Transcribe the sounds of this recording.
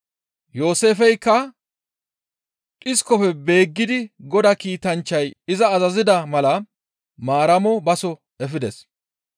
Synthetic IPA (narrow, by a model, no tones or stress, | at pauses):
jo̞ːse̞ːfɛjkːɐ | ʔʼɪskɔfɛbe̞ːɡːɪd̪ɪɡɔd̪ɐkiːt̪ɐnt͡ʃːɐjɪzɐːzɐzɪd̪ɐmɐlɐ | maːɾɐmɔbɐsɔ | ɛfɪd̪ɛs